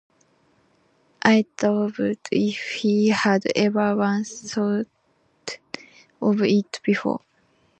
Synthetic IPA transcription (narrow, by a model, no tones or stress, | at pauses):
ʔaɪtovtifhihadɛvə˞wãnsot | ɔvit̪b̥ifɔ̰